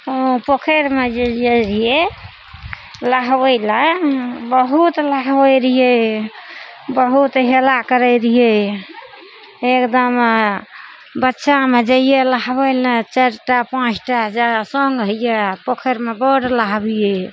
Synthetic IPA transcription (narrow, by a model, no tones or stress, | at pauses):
opokʰeɾmed͡ʒeəɾije | laɦbəjlabəɦut̪laɦbəɾije | bəɦut̪ɦelakəɾəjɾije | ekd̪əm | bətːʃamed͡ʒəijelaɦbəjlãt͡ʃaɾʈapãt͡ʃʰʈaɦd͡ʒasəŋɡɦəjjepokʰeɾmebəɽlaɦbije